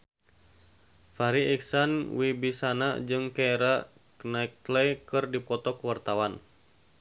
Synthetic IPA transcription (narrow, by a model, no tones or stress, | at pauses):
faɾiɛksanwibisana̰d͡ʒɨŋkaeɾa | knaik̚lɛkɨrdipɔt̪ɔkəwart̪awan